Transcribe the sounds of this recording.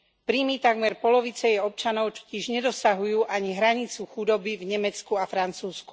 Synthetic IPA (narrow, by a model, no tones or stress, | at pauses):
pɾiːmit̪aɡmɛɾpɔlɔʋit͡sɛjɛɔp̚t͡ʃanɔʊt͡ʃɔ̥cɪɛʒɲɛd̪ɔsaɦujuːʔaɲiɦɾaɲit͡suxud̪ɔbivɲɛmɛt͡skuafɾant͡suːsku̥